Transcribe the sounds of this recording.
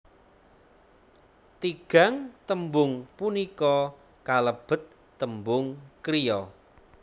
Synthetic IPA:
t̪iɡ̥a̤ŋt̪əmbʊŋpunikɔ | kaləb̥ə̤t̪ː | əmbʊŋkɾijɔ

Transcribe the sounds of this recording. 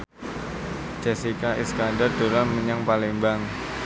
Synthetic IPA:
d͡ʒɛsikaʔḭskandard̪̥oɾanməɲaŋpalembaŋ

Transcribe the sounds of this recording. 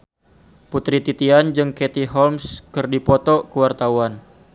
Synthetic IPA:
put̪ɾit̪it̪iand͡ʒɨŋkɛt̪iɦɔlmskɨrdipɔt̪ɔkəwart̪awan

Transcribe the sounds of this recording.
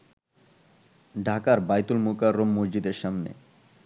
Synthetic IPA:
ɖʱakaɾbajt̪ulmukaɾːomːod͡ʑd͡ʑid̪eɾʃamnḛ

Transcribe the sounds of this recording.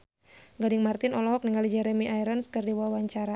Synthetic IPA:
ɡadɪŋmart̪ɪnɔlɔɦɔk̚niŋɡalid͡ʒɛɾɛmiʔajɾɔnskɨrdiwawaɲt͡ʃaɾa

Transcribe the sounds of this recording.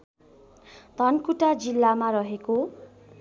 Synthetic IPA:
d̪̥ʱʌnkuʈad͡zilːamaɾʌɦeko

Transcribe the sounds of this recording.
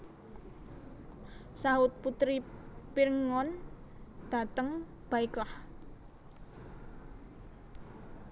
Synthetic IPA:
saʊt̪̚put̪ɾipirŋɔn | d̪̥a̤t̪əŋ | b̥a̤iklah

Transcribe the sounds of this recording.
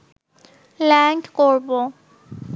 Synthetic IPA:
lɛŋkkoɹbɔ

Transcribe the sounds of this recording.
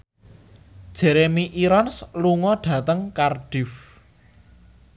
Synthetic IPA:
d̥ʒ̥ɛ̤ɾemiʔiɾɔnsluŋɔɖ̥ä̤t̪əŋkarɖ̥ɪf

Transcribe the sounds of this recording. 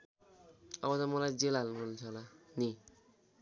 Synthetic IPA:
ʌbʌt̪ʌmʌlajd͡zelalnuɡʌnt͡sʰʌlani

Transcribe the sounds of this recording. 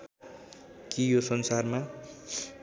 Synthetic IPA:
kijosʌnsarma

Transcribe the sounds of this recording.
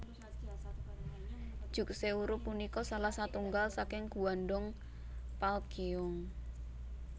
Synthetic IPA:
d̥ʒ̥ṳk̚seuɾʊpunikɔsalahsat̪uŋɡalsakɪŋɡ̥uwanɖɔŋ | palkeʊŋ

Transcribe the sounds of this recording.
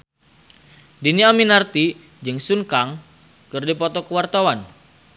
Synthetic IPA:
diniaminart̪i | d͡ʒɨŋsuŋkaŋ | kɨrdipɔt̪ɔkəwart̪awan

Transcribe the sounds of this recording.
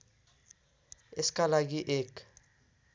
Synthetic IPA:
ɪskalaɡiʔek

